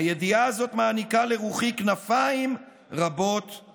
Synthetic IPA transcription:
ajed̪iaːzo̞t̪maːnikaleʁuχiknafaim | ʁabo̞t̪

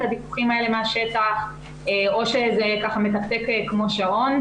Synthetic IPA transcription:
tadiku̥χimaelemeaʃetaχ | eo̞ʃezekaχamet̪aχt̪ekekːmo̞ʃaʁo̞n

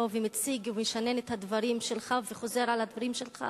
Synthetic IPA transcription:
ovemit͡siɡumeʃanenet̪had̪vaʁimʃelχaveχo̞zeʁalad̪vaʁimʃelχa̰

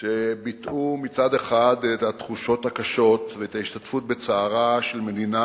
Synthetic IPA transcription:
ʃebitʔumit͡sad̪eχad̪et̪at̪χuʃo̞thakaʃo̞tveet̪aiʃtatfut̚bet͡saːʁaʃe̞lme̞d̪ina

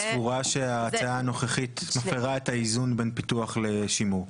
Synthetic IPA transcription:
svuʁaʃe̞aːt͡saaːno̞χeχit̪mafeʁaetaizunbenpituaχleʃimu

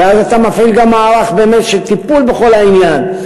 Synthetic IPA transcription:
eazat̪amafilɡamːaːʁaχbeːme̞tʃelt̪ipulbe̞χo̞lainjan

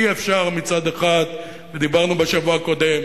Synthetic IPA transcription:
iefʃaʁmit͡sad̪eχat̪ | ved̪ibaʁnubeʃavuako̞d̪em

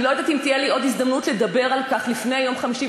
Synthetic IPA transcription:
lojad̪atimt̪ijeliʔo̞d̪izd̪ɐmnutle̞d̪abe̞ʁalkaχlifne̞jajo̞mχamiʃi

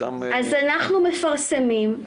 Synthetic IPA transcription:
azanaχnumɪfaɾsəmim

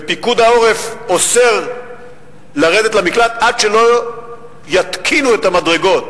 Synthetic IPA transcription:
epikud̪ao̞ʁe̞fo̞seʁ | laʁe̞d̪e̞tlamiklat̪adʃelo̞ | jat̪kʰinuetamadʁe̞ɡo̞t̚

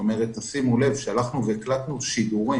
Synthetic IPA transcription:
ome̞ʁet̪asimule̞vʃealaχnuveːklat̪nuʃid̪uʁi

